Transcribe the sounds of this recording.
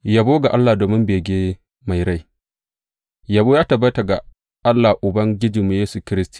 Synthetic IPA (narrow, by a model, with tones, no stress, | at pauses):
jɐ˨boː˦ɡa˨ʔa˦lːaː˨doː˨mɪ˦mbeː˨ɡʲeː˦ | ma˨jɾa˦j | jɐ˨boː˦jaː˦tɐ˨bɐ˦ta˨ɡa˨ | ʔa˦lːaː˨ʔʊ˨bɐ˦ŋɡʲɪ˦d͡ʒiː˨mu˨jeː˦su˨kʲɪ˦ɾɪ˦stu̥˨